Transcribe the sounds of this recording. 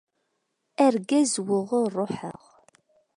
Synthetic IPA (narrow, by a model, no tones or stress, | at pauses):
æɾɡæzwʊʁʊrˤːoħə̰ʁ